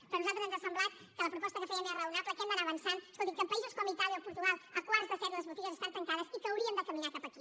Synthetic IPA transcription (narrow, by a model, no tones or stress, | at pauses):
pɾɐnuzãt̪ɾzβemzɐsɐ̃mblˠaɾ | kɐlɐpɾupɔst̪ɐkɨfojɐɡɛrɐawnaplɐkẽnd̪aɾaβɐ̃nsãnkolˠt̪ĩkɐpɐizuskõmit̪aɾjawpuɾt̪uɣalˠɐkwaɾt̪ɐsɛɾuðɐzβut̪iɣɐzeʃt̪aɾt̪ɐŋk̪aðɐsikɐwɾiɐ̃nd̪ɐkɐmiɲaɾkapɐki